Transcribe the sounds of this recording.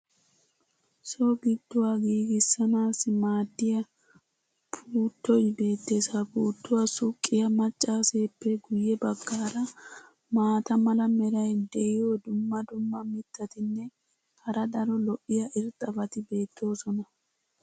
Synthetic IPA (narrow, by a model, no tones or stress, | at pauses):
soːɡɪd̪ːʊwaɡiːɡɪsːɐnaːsɪmaːd̪ːɪjɐ | pʰuːt̪ːɔjbe̞ːt̪ːesapuːt̪ːʊwasʊkʼːɪjɐmɐt͡ʃʼːaːseːpːɛɡʊjːɛbɐɡːaːɾɐ | maːt̪ɐmɐlɐmɛɾɐjd̪ɛɪjoːd̪ʊmːɐd̪ʊmːɐmɪt̪ːɐt̪ɪnːɛ | hɐɾɐd̪ɐɾɔlɔʔɪjɐʔɪɾt̪ʼɐbɐt̪ɪbe̞ːt̪ʰːo̞ːsɔnɐ